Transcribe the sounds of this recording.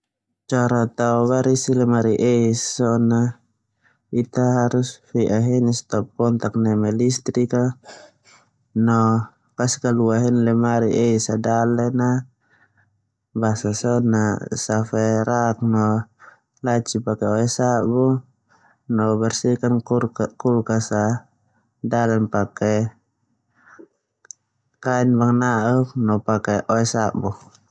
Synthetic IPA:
t͡ʃaɾat̪auβaɾisilɛmaɾiʔɛissɔna | it̪aɦaɾusfɛʔaɦɛnist̪ɔp̚ːɔnt̪ak̚nɛmɛlist̪ɾika | nɔ | kaskaluaɦɛnlɛmaɾiʔɛisadalɛna | basasɔnasafɛɾak̚nɔ | lat͡ʃipakɛɔɛsabu | nɔbɛrsikankulkasa | dalɛnpakɛ | kainbaŋnauk̚nɔpakɛʔɔɛsaʔbu

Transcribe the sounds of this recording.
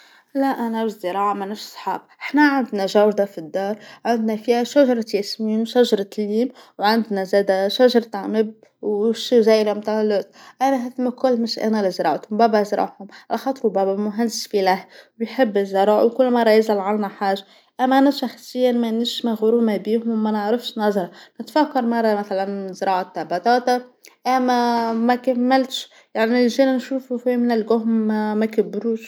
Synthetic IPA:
laʔænabɪzːɪɾˤɑːʕamanɪʃsˤħɑ̰ːbʔɪħnaʕand̪naʒawɾd̪afid̪ːɑːɾˤʕand̪nafihaʃaʒɑɾˤɑt̪jasmiːmʃaʒɑɾˤɑt̪liːmwʕand̪nazæd̪aʃaʒɑɾˤt̪aʕmɪb̚ | wʃizæːjɾamt̪ɑlʊt̪ʔanaɦad̪makʊlːmɪʃʔa̰nalɪzɾˤɑ̰ːʕt̪hʊmbæbazɾˤɑ̰ʕhʊmʕalxɑt̪ˤɾubæbamʊɦand̪ɪsfilahwjħɪbːɪzɪɾˤɑːʕwkʊlːmɑrˤːɑjɪzalʕalmaħaːʒa | ʔæmæʔænæʃɑxsˤɪjːanmænɪʃmaɣʊɾuːmabiːɦʊmːænaʕɾɪfʃnɑzˤɑɾˤɑnɪt̪fakːɑɾˤmɑrˤːɑmæθalanzɾˤɑːʕat̪ːɑbɑt̪ˤɑːt̪aʔæmæmækæmːɪlt̪ʃ | jaʕnilʒeːnanʃuːfufimɪnɪlɡʊɦmmækabːɾuːʃ

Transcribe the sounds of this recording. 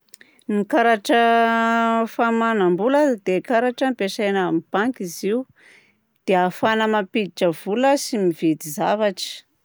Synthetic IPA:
nikaɾaʈ͡ʂə | famanambulad̪ekaɾaʈ͡ʂəmipesajnamib̥aŋkiziu | d̪̥eafanəmapid̪iʈ͡ʂəvuləsimived̪izavaʈ͡ʂə̥

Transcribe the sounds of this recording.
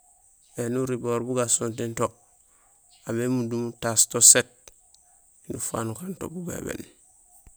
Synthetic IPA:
enuɾiboɾbuɡasontinto | amemudumutastoset̚ | inufa̰nukanto̰buɡḛbḛn

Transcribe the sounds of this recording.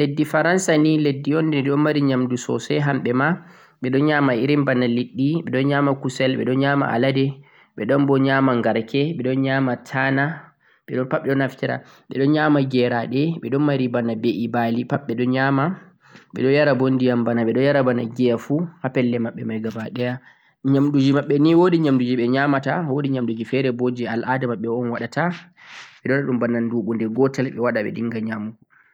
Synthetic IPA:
ledːifaɾansaniledːiɔndɛɗɔnmːaɾiɲamdusɔ̰sɛɦamɓɛma | ɓɛɗɔnɲamaiɾimbanaliɗːiɓɛɗɔnɲamakusɛlɓɛ̰ɗɔnɲaːma̰ʔa̰ladɛ | ɓɛɗɔnbɔɲamaŋɡaɾkʰɛɓɛɗɔnɲamatʰana | ɓɛɗɔnpaɓːɛɗɔnaftɛɾa̰ | ɓɛɗɔnɲaːmaɡɛɾaɗɛɓɛɗɔnmaɾibanabeʔibalipaɓːɛɗɔnɲama | ɓɛ̰ɗɔjaɾabondijambanaɓɛɗɔjaɾabanaɡɛjafuhapɛlːɛmaɓːɛmajɡabaɗɛja | ɲamɗud͡ʒimaɓːɛniwodiɲamdud͡ʒiɓɛɲamatawodiɲamɗud͡ʒifɛɾɛbod͡ʒialʔadɛmaɓːɛɔnwaɗatʰa | ɓɛɗɔnaɗumbanːanduɓundɛɡɔtalɓɛwaɗaɓɛ̰ɗiŋɡaɲamu

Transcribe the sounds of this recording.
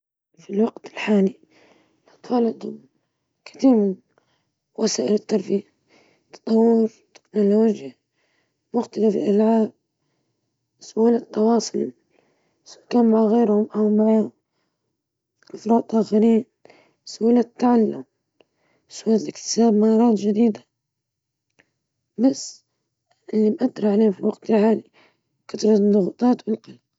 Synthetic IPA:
filwɑqt̪ɪlħaːli | lɑt̪wɑlɑd̪hʊm | kɪ̥t̪iːɾmɪn | wasaːʔɪlɪt̪ːɑɾˤbija | t̪ːɑ̥t̪ˤɑwːɪɾt̪ːɪ̥knoloːd͡ʒja | mʊxt̪alafɪlʔalʕaːb̚ | sʊʔaːlat̪ːɑwɑːsˤʊl | sʊkaːnmaʕaɣeːɾhʊmʔawmaʕaːhʊm | ʔɪfɾˤɑːd̪ʔaːxaɾiːn | sʊʔaːlat̪ːaʕalːʊm | sʊʔaːllʔɪkt̪ɪ̥saːbmanɑɾˤɑːt̪ʒɪd̪iːd̪ḁ | bas | ʔɪlːimʔad̪ɾɑʕaleːhfiwaɡt̪lhaːli | kat̪ɾˤɑd̪ˤʊɣut̪ˤɑːt̪wɪlqɑlq̚

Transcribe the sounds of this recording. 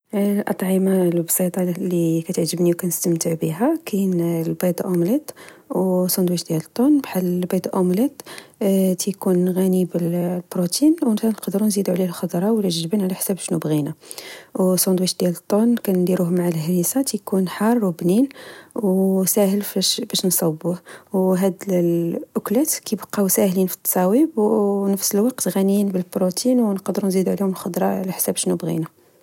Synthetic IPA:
lʔɑ̰t̪ˤʕimɑlbsˤit̪ˤɑlikæt̪əʕʒəbniwkænəst̪əmt̪əʕbiɦækʰænlbɑd̪ˤʔomlet̪wsˤɑnd̪wiʃd̪jælət̪ˤːonbħalːbed̪ˤʔomlet̪ | t̪ækunɣænibəlbɾut̪inwənænqɑd̪ɾunzid̪uʕlilxɑd̪ɾˤɑwlʒʒəbənʕlæħsæbʃnubɣinawsˤond̪wiʃd̪̥ælt̪ˤːonkænd̪iɾuhmaʕalhɾisɑt̪ijkunħɑrˤːwbninwsæhəlfæʃbæʃnsˤɑwbːuhwɦæd̪ | ʔʊklæt̪kibɑqːɑwsæhlinfi̥t̪ːɑ̥sˤɑwibnəfsəlwɑqt̪ɣænjinbəlbɾot̪inwnqd̪ɾunzid̪uʕlihʊməlxod̪ɾˤɑʕlæħsæbʃnubɣḭna

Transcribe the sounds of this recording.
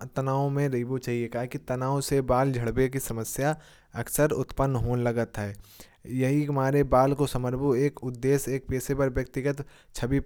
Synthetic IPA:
t̪ɐnaːõmẽɾɐɦibot͡ʃaːɦiekaːɦkit̪ɐnaːõsebaːld͡ʒʱɐɽbekisɐməsja | ɐksəɾʊt̪pənːɦoːnlɐɡət̪ɦɛː | jɐɦiɐmaːɾebaːlkosɐməɾbʱoeːkʊd̪ːeːseːk̚peːsepɐɾʋjɐk̚t̪ɪɡət̪ | t͡ʃʰɐbip

